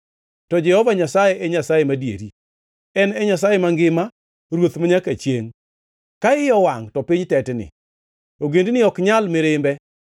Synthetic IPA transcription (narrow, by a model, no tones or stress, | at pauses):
tɔd͡ʒɛhɔvaɲasajɛʔɛɲasajɛmadjḛɾi | ɛnɛɲas̬ajɛmaŋɡɪma | ɾwot̪maɲakat͡ʃjeŋ | kaɪjɔwaŋtɔpiɲtɛtnɪ̰ | oɡendnɪɔkɲalmeɾɪmbɛ